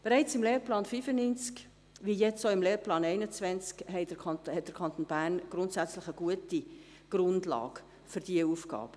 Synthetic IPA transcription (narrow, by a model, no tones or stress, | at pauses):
b̥eɾɛɪt͡sɪmleːɾplɑːnfyːfənynt͡sk | ʋijɛt͡soɪmleːɾplɑːnɛɪnət͡svɛnt͡skhɛɪdəkʰɑhɛtd̥əɾkʰɑnt̪onbæːrnɡ̥ɾʊntsæt͡slɪχəɡ̥uəti | ɡ̥rʊndlɑ̰ːɡ̥ | fʏɾd̥iəufɡɑ̰ːb̥ə